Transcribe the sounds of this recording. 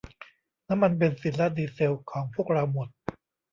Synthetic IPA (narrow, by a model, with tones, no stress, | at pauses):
na˦˥mːa˧np̬e˧nsi˩˦nla˦˥diː˧se˧wkʰɔː˩˦ŋpʰu˥˩ək̚ɾa˧wmo˨˩t̪̚